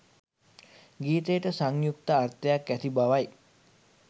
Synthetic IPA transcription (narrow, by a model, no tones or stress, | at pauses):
ɡiːt̪ejʈəsaŋjuk̚t̪əart̪əjakːæt̪ibaʋaj